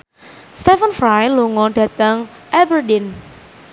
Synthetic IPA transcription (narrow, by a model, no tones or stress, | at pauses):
st̪ɛfənfɾajluŋɔd̪̥ä̤t̪əŋʔɛbərdin